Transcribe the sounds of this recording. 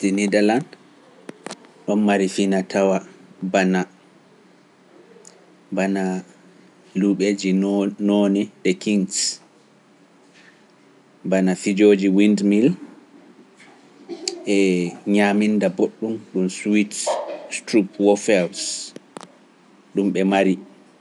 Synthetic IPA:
dinidɛland | ɗɔnmaɾifinatʰawabana | bana | luɓed͡ʒinɔnɛɗɛkiŋs | banafid͡ʒoːd͡ʒiwindmil | ʔɛɲamindaboɗːumɗumswitstɾupwɔfɛls | ɗumɓɛmaɾi

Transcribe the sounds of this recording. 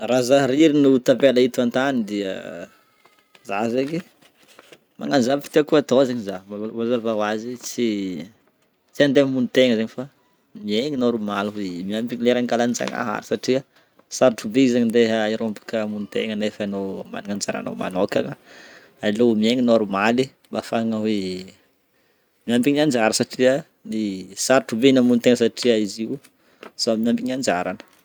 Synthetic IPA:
razaɾiɾinut̪apelait̪uant̪anid̪iə | zazeŋi | ma̰ŋand͡ʒavi̥t̪iakuat̪ozeɲizawazavawazit͡si | t͡siand̪emunit̪eŋəzeɲifa | mieɲinoɾumaluɦimiampiɲileɾaŋkalant͡sa̰ŋa̰ɦa̰ɾi̥saʈ͡ʂiə | saɾuʈ͡ʂubeizaɲind̪eɦiɾompu̥kəmunit̪ḛŋənefanoma̰niŋand͡ʒaɾa̰no̰ma̰nokaŋə | ailomieŋinoɾumali | mbafaŋawe | miampiɲand͡ʒaɾəsaʈ͡ʂiə | nisaɾuʈ͡ʂubenamunt̪eŋəsaʈ͡ʂiaiziw | z̥amiampiɲand͡ʒaɾanə̥

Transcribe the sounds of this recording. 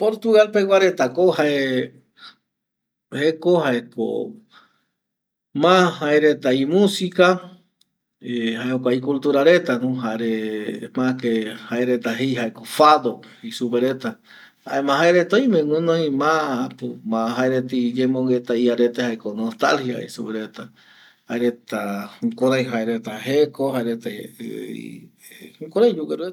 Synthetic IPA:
poɾt̪uɣalpewaɾet̪akohae | hekohaeko̰ | mãhaeɾet̪aimũsika | eɦaeokʷaikult̪uɾaɾe̞t̪anũɦaɾemãkehaeɾet̪aɦejɦaekofad̪oisupeɾet̪a | haemãɦaeɾet̪ojmẽŋũnõĩmãpumãɦaeɾet̪id͡ʒemoŋɡet̪aiaɾet̪ehaekonost̪a̰lhia̰ḭsupeɾet̪a | haeɾet̪aŋkoɾaj̃ɦaeɾet̪aɦekohaeɾet̪a̰ | koɾaj̃d͡ʒuɡeɾue

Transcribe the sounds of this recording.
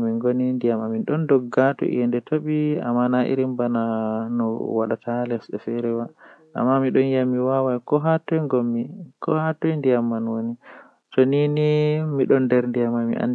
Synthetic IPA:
miŋɡonindijamaminɗɔndɔɡːatɔ̰ʔḭjɛndɛtʰoɓia̰mːanaʔḭɾimbananɔ̰waɗatalɛsɗɛfɛɾɛwaʔa̰mːamiɗɔnjamiwawajkɔɦatɔjŋɡɔmːikɔhatɔjndijamːanwoni | tɔninimiɗɔndɛɾndijamamḭʔa̰n

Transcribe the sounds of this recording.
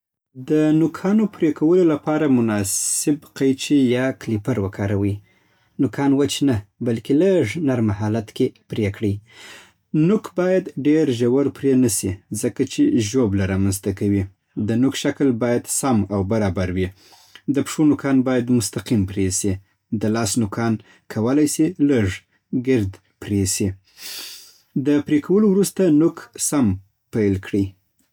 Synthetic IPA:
d̪ənʊkʰɑnopɾekʰawəlolapɑɾamʊnɑsɪbqajt͡ʃejɑklipaɾwəkʰɑɾawi | nʊkʰɑnwət͡ʃnabalkeləʐnaɾmahɑlat̪kepɾekɽi | nʊkbɑjad̪ɖeɾʒawaɾpɾenasizəkat͡ʃeʒoblaɾɑmanzt̪akawi | d̪ənʊkʃaklbɑjad̪samawbaɾɑbaɾwi | d̪əpʂonʊkʰɑnbɑjad̪mʊst̪aqimpɾesi | d̪əlɑsnʊkʰɑn | kʰawəlajsiləʐ | ɡɪɾd̪ | pɾesi | d̪əpɾekʰawəlowɾust̪anʊksam | pajlkɽi

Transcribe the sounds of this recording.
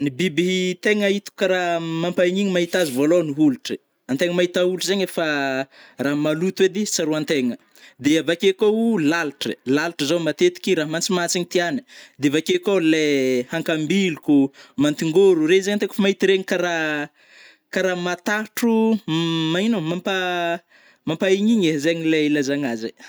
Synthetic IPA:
nibibit̪eŋait̪u̥kaɾamampaɲiɲimaɦit̪azivoloniɦuluʈ͡ʂə | ant̪eŋəmaɦit̪auluʈ͡ʂəzaɲefa | ramalut̪uwed̪isaɾuant̪eŋə | d̪eavakekoulalʈ͡ʂə̰lalʈ͡ʂəzomat̪et̪i̥kiɾaɦmant͡simat͡siŋit̪ianə̥d̪eavakekolehaŋkambilukumant̪iŋɡoɾurezaɲat̪eke̥fmaɦit̪iɾeɲikaɾa | kaɾamat̪aʈ͡ʂu | mainomampa | mampaiɲiɲezeɲileilazaŋaze

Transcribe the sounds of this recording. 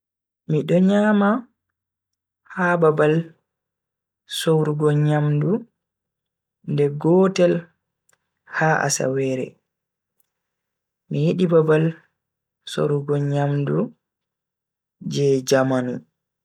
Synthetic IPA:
miɗɔɲaːma | hababal | sowɾuɡɔɲamdu | ndɛɡɔtɛl | haʔa̰sa̰wɛːɾɛ̰ | mijiɗibabal | so̰wɾuɡɔɲamdu | d͡ʒɛd͡ʒamanu

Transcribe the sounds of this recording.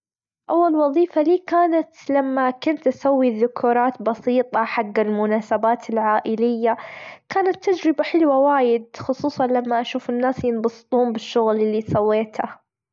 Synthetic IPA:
ʔawːalwɑðˤiːfaliːkaːnat̪lamːakʊnt̪ʔasawːiðʊkʰuːɾˤɑːt̪bɑsiːt̪ˤɑħaɡːalmʊnaːsabaːt̪ʰɪlʕaːʔɪlɪjːakaːnat̪ːad͡ʒɾɪbaħɪlwawaːjɪd̪̚xʊsˤuːsˤɑnlamːaʔaʃuːfɪnːaːsjɪnbɑsɨ̥t̪ˤuːmbɪʃːʊɣlɪlːisawːeːt̪a

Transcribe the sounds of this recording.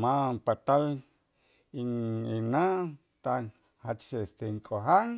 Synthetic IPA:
mampat̪al | iŋina | t̪a | hat͡ʃʃeest̪eŋkʼoɦaŋ

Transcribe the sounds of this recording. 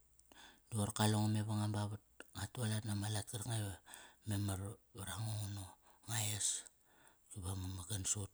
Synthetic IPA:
duoɾkaloŋome̞βaŋambaβat̚ŋatualatnamalat̚kiɾkŋajβamemaɾaɾaŋoŋno | ŋajas | kuβamamaɡansot̚

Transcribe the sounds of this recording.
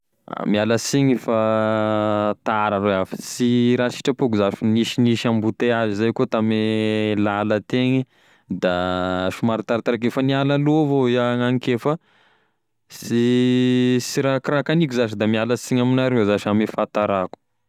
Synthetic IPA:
a̰mialəsiɲifa | t̪aɾareafi̥siɾasi̥ʈ͡ʂəpukuzafiniʃiniʃambut̪eazizajkot̪amelalət̪eŋi | d̪aʃumaɾit̪aɾat̪aɾakefanialalovoiaŋaŋkefə | si | siɾakɾakanikuzaʃid̪amialəsiɲaminaɾewzaʃamifat̪aɾaku̥

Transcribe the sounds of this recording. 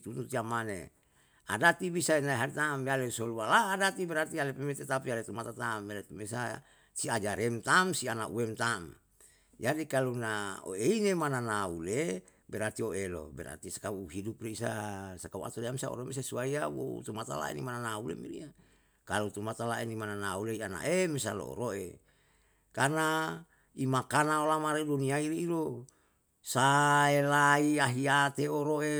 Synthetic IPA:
t̪unut̪iamanḛ | a̰dat̪ibisainaiɦaɾt̪amialesolualaːdat̪ibɛɾat̪ialepemet̪et̪apialet̪umat̪at̪amalet̪umesa | siad͡ʒaɾemt̪amsianaʔṵwemt̪am | d͡ʒadikalunao̰einemananaule | bɛɾat̪ioelo̰bɛ̰ɾa̰t̪isḁkauɦidupreisasakaua̰t̪oliamisao̰ɾomes̬asuaiawo̰t̪umat̪a̰la̰ḛnḭmananaulḛmḭɾḭa | kalut̪umat̪alaenimananauleiana̰ʔemesa̰lo̰o̰ɾoḛ | karna | imakanaolamaɾeduniaiɾiːɾo | saelaiaɦiat̪eoɾoe

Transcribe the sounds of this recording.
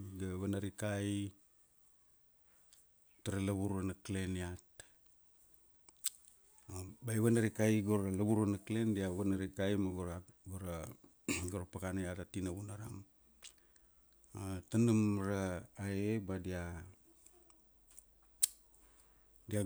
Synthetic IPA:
ɡaβanaɾikaj | taɾalaβuɾanakle̞niat | bajβanaɾikajɡoɾalaβuɾanaklendiaβanaɾikajmaɡoɾaɡoɾa | ɡoɾapakanajatatinaβunaɾa̰m | atanumɾaːebadia | dia

